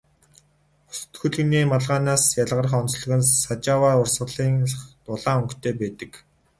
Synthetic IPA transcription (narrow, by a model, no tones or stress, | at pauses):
ʊ̥s̆t̪xɵ̆ɮɣɘ̆niːmaɮʁaːnaːsjaɮʁə̆rə̆χɔnt͡sɮɵ̆ɣɘ̆nsat͡ɕaːwaːʊrsɢə̆ɮiːŋχt̪ʊɮaːɵŋkt̪ʰeːpæːt̪ə̆k